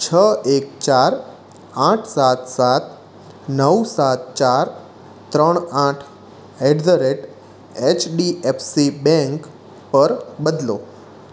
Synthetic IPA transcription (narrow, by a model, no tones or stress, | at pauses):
t͡ʃʰəekt͡ʃaɾ | ãʈʰsat̪sat̪̚ | nəwsat̪̚t͡ʃaɾ | t̪ɾəɳ̃ãʈʰ | eɖzəɾeʈ | et͡ʃʰɖiepʰsibɛ̃ŋk | pəɾbəd̪lo